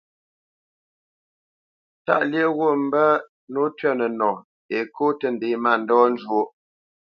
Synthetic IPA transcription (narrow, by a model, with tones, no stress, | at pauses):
ta̰˦˨ʔljə˦ɣwo˦˨m̩˦bə˦ | no˨˦tɥɛ˦nə˨nɔ˨ | e˨ko˦tə˨n̩˨de˨˦ma˦˨n̩˨dɔː˦n˦d͡ʒwo˦